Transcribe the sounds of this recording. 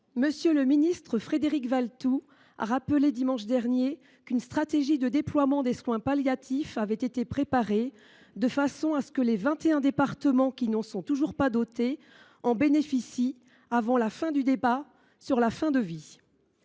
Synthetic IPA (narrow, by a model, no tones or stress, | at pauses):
məsjøləminist̪χəfχed̪eʁikvalt̪u | a̰ʁapəled̪imɑ̃ʃd̪ɛʁnje | kynst̪χat̪eʒid̪əd̪eplwamɑ̃d̪eswɛ̃paljat̪ʰifavɛt̪et̪epχepaʁe | d̪əfasɔ̃asə̥kəlevɛ̃t̪eɛ̃d̪epaʁt̪əmɑ̃kʲinɑ̃sɔ̃t̪uʒuʁpad̪ot̪e | ɑ̃benefisi | avɑ̃lafɛ̃d̪yd̪eba | syʁlafɛ̃d̪əvi